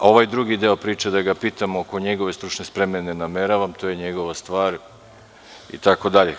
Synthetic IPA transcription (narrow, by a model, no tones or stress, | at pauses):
o̞ʋajd̪ɾuɡid̪eo̞pɾiːt͡ʃed̪aɡapiːt̪amoko̞ɲeɡo̞ʋe̞st̪ɾut͡ʃnespɾemenenameɾaʋamt̪o̞jeɲeɡo̞ʋast̪ʋaːɾ | ḭt̪ako̞d̪aʎe